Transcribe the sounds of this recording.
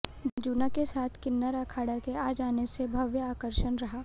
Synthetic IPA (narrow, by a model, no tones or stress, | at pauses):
bd͡ʒuːnakesaːt̪ʰkɪnːəɾakʰaːɽakeaːd͡ʒaːnesebʱɐʋjəaːkəɾʃənɾɐɦaː